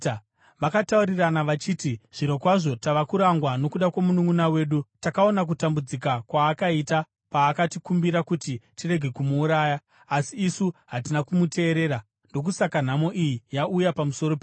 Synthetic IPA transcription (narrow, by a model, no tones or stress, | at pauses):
ʋakatauɾiranaʋat͡ʃiːtiʐ̥iɾo̞kwaʐo̞taʋakuɾaŋɡwano̞kuɗakwamunuŋunawe̞ːɗutakao̞nak̬utambud͡zikakwaːkaita | paːkatikumbiɾakutitire̞ɡʱe̞kumuːɾaːjaː | siːsuɦatinakumute̞ːɾe̞ːɾa | ndo̞k̬usakan̤amo̞ʔijijaʔujapamuso̞ɾo̞pe